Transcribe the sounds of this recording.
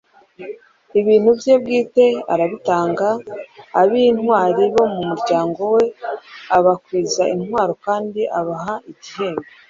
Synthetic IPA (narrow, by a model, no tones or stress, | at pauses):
iβiːnhubje̞b̚ɡiːte̞a̰ɾaβitaːŋɡaː | βinhwaːɾiβo̞mumuɾɟaːŋɡo̞we̞aβakwiːzaʔinhɦwaːɾokaːndiʔaβaɦaiɟihe̞ːmɡe